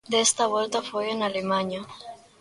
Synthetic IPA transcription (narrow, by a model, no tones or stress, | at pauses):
d̪est̪aβwelt̪afojenalemaɲa